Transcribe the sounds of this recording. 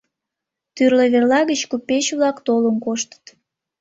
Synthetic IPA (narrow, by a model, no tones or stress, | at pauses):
t̪yrleβerlɑɣət͡ɕkupeɕβlɑkt̪oləmkoʃt̪ə̥t̪